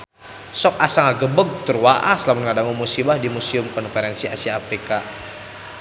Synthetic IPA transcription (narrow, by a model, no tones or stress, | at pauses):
sɔk̚asaŋaɡəbəɡ̚t̪ərwaʔa̰slamanŋadaŋumusibahdimusiʊmkɔnfeɾɛnsiʔa̰siaafɾika